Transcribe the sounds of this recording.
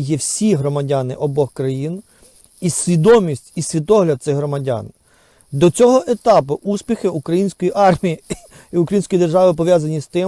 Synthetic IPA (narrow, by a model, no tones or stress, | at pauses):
jɛwsʲiɦɾɔmɐdʲanɪ̰ʔɔbɔxkɾɐjin | isʲʋʲid̪ɔmʲisʲtʲisʲʋʲit̪ɔɦlʲɐd̪̚sɛɦɾɔmɐdʲa̰n | d̪ɔt͡sʲɔɦɔʔe̞t̪ɑpʊʔuspʲixɪukɾɐjinʲsʲkɔjiʔɑrmʲiji | iʊkɾɐjinʲsʲkɔjid̪erʒɑʋɪp̬ɔʋʲjazɐnʲist̪ɪ